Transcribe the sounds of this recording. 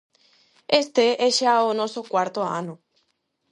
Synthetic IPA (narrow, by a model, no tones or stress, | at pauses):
est̪eʔeʃeaonosokwaɾt̪oa̰no